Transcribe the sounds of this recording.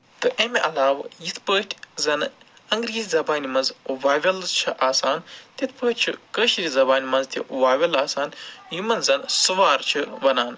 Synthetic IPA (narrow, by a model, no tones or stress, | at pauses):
t̪ɨʔemeʔɐlaːʋjit̪ʰpəːʈʰʲzɐn | ɐŋɡɾiːzʲzɐbaːnimɐnzʋaːʋʲɐlt͡ʃʰiʔaːsaːnt̪it̪̚ʰpəːt̚ʲt͡ʃʰḭkəʃɾizɐbaːnʲimɐnzt̪ʰʲiʔʋaːʋʲɐlaːsaːnjumɐnzɐnsuʋaːɾt͡ʃʰɨʋɐnaːn